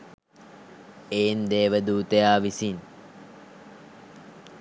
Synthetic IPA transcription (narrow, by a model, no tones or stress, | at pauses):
eːnd̪eːʋəd̪uːt̪əjaːʋisin